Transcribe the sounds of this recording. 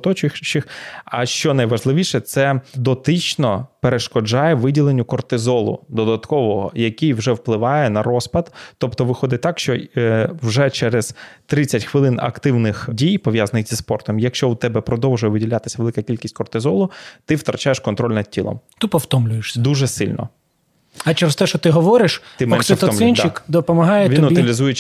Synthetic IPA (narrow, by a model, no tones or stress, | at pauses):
t̪ɔt͡ʃʊt͡ʃɪxɐʃt͡ʃɔnɐjʋɐʒlˠɪʋʲiʃɛt̪sɛd̪ɔt̪ɪt͡ʃnɔpeɾeʃkɔd͡ʒɑjɛʋɪdʲilˠenʲːʊkɔrt̪ɪzɔlˠʊ̰d̪ɔd̪ɐt̪kɔʋɔɦɔ̰jɐkʲijwʒɛwplˠɪʋɑjɛnɐɾɔspɐd̪t̪ɔpt̪ɔʋɪxɔd̪ɪt̚ʲt̪ɑkʃt͡ʃɔwʒɛt͡ʃɛɾɛz̥t̪ɾɪt͡sʲɐtʲxʋɪlˠɪnɐ̰kt̪ɪwnɪxdʲijpɔʋjazɐnɪxʲz̥ʲispɔrt̪ɔmjɐkʃt͡ʃɔut̪ɛbɛpɾɔd̪ɔwʒʊjɛʋɪdʲilʲat̪ɪ̥sʲɐʋelˠɪkɐkʲilʲkʲisʲtʲkɔrt̪ɪzɔlˠʊt̪ɪwt̪ɾɐt͡ʃajeʃkɔnt̪ɾɔlʲnɐd̪̚tʲḭlˠɔ̰mt̪ʊpɔwt̪ɔmlʲʊjeʃsʲɐd̪uʒɛsɪlʲnɔ̰ | ɐt͡ʃeɾest̪ɛʃɔt̪ɪɦɔʋɔɾɪʃɪmɛnsɔɔmlʲnt͡ʃɪkd̪ɔpɔmɐɦɑjɛʋinʊɪlʲizujet͡ʃ